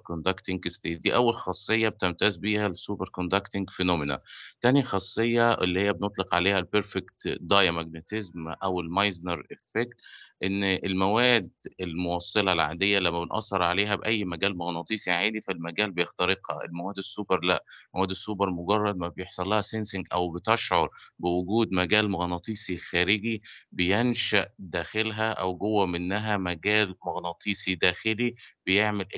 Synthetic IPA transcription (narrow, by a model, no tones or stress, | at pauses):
kond̪ækt̪ɪŋɡst̪eːt̪̚d̪iːʔæwːælxɑsˤːejːɑb̚et̪emt̪æːzbiːhælsuːbeɾkond̪ækt̪ɪŋɡfenoːmɪna̰t̪ænjixɑsˤːejːɑʔḛlːihejːæbnot̪ˤleqʕaleːhælbeɾfekt̪d̪ɑjmæɡnet̪ɪzmʔæwelmɑjznɑɾefekt̪ʔenːʔelmæwæːd̪elmowɑsˤːelɑlʕa̰d̪ejːælæmːæbenʔɑ̰sˤːɑɾˤʕaleːɦæbʔæjːmæɡæːlmɑɣnɑːt̪ˤiːsʕaːd̪ifælmæɡæːlbejext̪ɑɾeqhɑ̰ḛlmæwæːd̪esːuːbeɾlæ̰ʔmæwæːd̪esːuːbɑɾˤmoɡɑrˤːɑd̪mæbejeħsˤɑlːɑhæsensɪŋɡʔæ̰wbɪt̪eʃʕoɾˤbɪwʊɡuːd̪mæɡæːlmoɣnɑt̪ˤiːsˤixæːɾɪɡibejenʃæʔd̪æːxelɦæʔæ̰wɡowːæmɪnːæɦæmæɡæːlmoɣnɑːt̪ˤiːsˤid̪æːxɪlibejeʕmelʔ